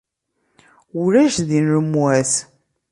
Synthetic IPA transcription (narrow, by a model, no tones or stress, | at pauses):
uɾæʃðinɾəmwæθ